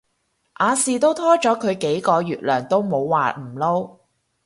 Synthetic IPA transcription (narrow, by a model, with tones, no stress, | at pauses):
ʔaː˨˧siː˨t̪o˥wt̪ʰɔː˥t͡ʃɔː˨˥kʰɵ˨˧ɥke˨˥jkɔː˧jyː˨˩t̚lœː˨˩ŋt̪o˥wmo˨˧wːaː˨m̩˨˩lo˥w